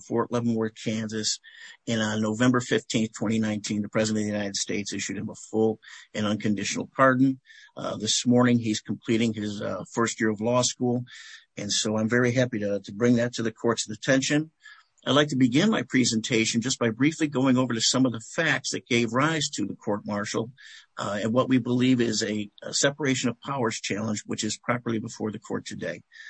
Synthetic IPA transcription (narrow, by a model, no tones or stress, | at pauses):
fɔɹʔlɛvn̩wə˞kʰæ̃nzɨsɨ̃nnːoʊvɛ̃mbə˞fɪftʰĩnθtʰw̥ɛ̃ɾ̃inãɪ̃ntʰĩnðəpʰɹ̥ɛzɨɾɨ̃nʌðjʉnaɪɾɨd̥steɪtsɪʃʉd̚ɨ̃məfʊlˠɨ̃nʌ̃nkʰɨ̃ndɪʃnl̩ˠpʰɑɹdⁿn̩ðɪsmɔɹnɪ̃ŋiz̥kʰm̩pʰl̥iɾɪ̃ŋɪzfɜ˞st̚jɪɹʌvlɔskulˠ | ɨ̃nsoʊãɪ̃ɱvɛɹiɦæpiɾɨɾɨbɹɪ̃ŋðɨtʰɨðɨkʰɔɹtsðɨtʰɛ̃nʃɨ̃n | aɪdˡlaɪk̚tʰɨbɨɡɪ̃nmaɪpʰɹ̥ɛzɨ̃ntʰeɪʃɨ̃n̩d͡ʒʌsb̥aɪbɹifliɡoʊɪ̃ŋoʊvə˞ɾɨsʌ̃mʌvðəfæk̚tsðɨt̚ɡ̥eɪvɹaɪz̥tʰɨðəkʰɔɹt̚mɑɹʃl̩ˠ | ɨ̃nwʌʔ̚wibəlivɪzɨsɛpə˞eɪʃɨ̃nʌv̥pʰaʊə˞z̥t͡ʃʰælˠə̃nd͡ʒwɨt͡ʃɨz̥pʰɹ̥ɑpə˞lˠibəfɔɹðɨkʰɔ̰ɹtʰɨdeɪ